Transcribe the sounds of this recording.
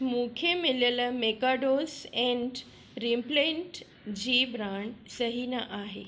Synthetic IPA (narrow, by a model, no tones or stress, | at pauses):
mũːkʰemɪləlmekaɖoːzɛ̃ɳʈ | ɾimplẽɳʈ | d͡ʑiːbɾaːɳsɐɦinaʔaːɦḛː